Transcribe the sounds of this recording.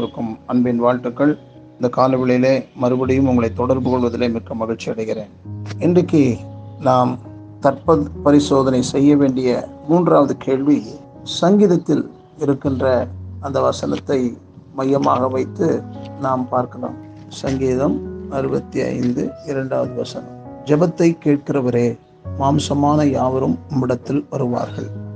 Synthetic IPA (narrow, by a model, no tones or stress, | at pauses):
ɾɯkːɯmɐɳbeːnʋaːɻʈːɯkːɐɭ | ɪnd̪ɐkaːlɐʋɪɭɐjɪleːmɐɾɯbɐɽɪjɯmʊŋɡɐɭɐɪt̪ːɔɽɐɾbɯkɔɭʋɐðɪleːmɪkːɐmːɐɣɪɻt͡ʃːɪɐɽɐɪɣɪɾeːnɪndrɐkːenaːm | t̪ɐrpɐðpɐɾɪsoːðɐnɐɪsɛjːɐʋeːɳɖɪjɐmuːndraːʋɐðɯkʰeːɭʋi | sɐŋɡiːðɐt̪ːɪl | ɪɾɯkːɪndrɐɐnd̪ɐʋɐsɐnɐt̪ːɐɪ | mɐjɐma̰ːɣɐʋɐɪt̪ːɯnaːmpaːɾkɐla̰ːm | sɐŋɡiːðɐmɐɾɯbɐt̪ːiɐ̰ɪnd̪ɯɪɾɐɳɖaːʋɐðɯʋɐsɐnɐmd͡ʒɛbɐt̪ːɐɪkːeːʈ̚kɪrɐʋɐɾeː | maːmsɐmaːnɐjaːʋɐɾɯmɐmːɪɽɐt̪ːɪlʋɐɾɯʋa̰ːɾɣɐ̰ɭ